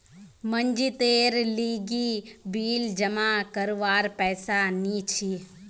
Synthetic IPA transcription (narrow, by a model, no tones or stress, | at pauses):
məɲd͡ʒit̪eːɾliːɡiːbiːld͡ʒɐmakəɾʋaːɾpɛːsanit͡ʃʰi